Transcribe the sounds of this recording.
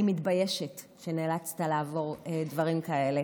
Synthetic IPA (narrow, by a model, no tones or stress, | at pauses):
imitbaje̞ʃet | ʃe̞neːlat͡st̪alaːvo̞ʁedvɐʁimkae̞le̞